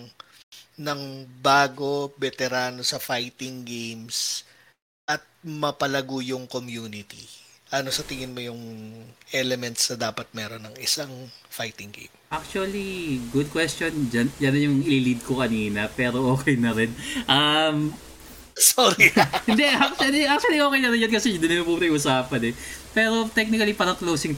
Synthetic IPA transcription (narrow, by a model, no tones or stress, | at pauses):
ŋ | nɐŋbaːɡo̞bɛt̪ɛɾaːno̞sɐfajt̪ɪŋɡejms | ʔɐt̪̚mɐpɐlɐɡuːjʊŋkomjuːnɪt̪ḭʔɐno̞sɐt̪ɪŋɪnmojʊŋʔɛlɛmɛnt̪snɐd̪aːpɐt̪̚mɛːɾo̞nːɐŋɪsaŋfajt̪ɪŋkḛpʔak̚t͡ʃuɐliɡʊd̪̚kwɛst̪ond͡ʒɐnd͡ʒɐnɐjʊŋʔɪlilid̪̚kokɐniːnɐpɛːɾo̞ʔo̞ːkɛjnɐɾɪnʔɐm | soɾihɪnd̪ɛak̚t͡ʃuɐliʔak̚t͡ʃuɐliʔoːkɛjnɐɾɪnd͡ʒɐnkɐsɛɪnd̪ɪnɐlɐpumnɐɪʔʊsaːpɐnɛpɛːɾo̞t̪ɛk̚nɪkɐlipɐɾɐŋklowsɪŋ